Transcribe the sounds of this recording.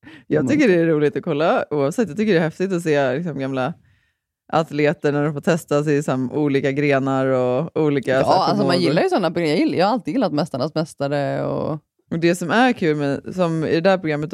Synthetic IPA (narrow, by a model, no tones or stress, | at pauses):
jɑːɡt̪ʏkːəɖɛːɾuːlɪt̪ɔkʰɔlːauːavsɛt̪ːjɑːt̪ʏkəɖɛːɾhɛft̪ɪɡt̪ɔs̬eːlɪksɔmɡamla | ʔa̰t̪leːt̪əɳæɖɔfoːt̪ʰɛst̪asɪsɔmʔuːliːkaɡɾeːnaɾɔuːliːkaalsɔmanjɪlːaɾjəsɔnːapɾʊɡɾamjɑjɪljɑːhaɾalt̪ɪɡjɪlːat̪mɛst̪aɳasmɛst̪aɾəɔ̰ | d̪ɛsɔmæɾkʰʉ̟ːlmɛsɔmɪ̰d̪ɛd̪æːɾpʰɾʊɡɾamːət̪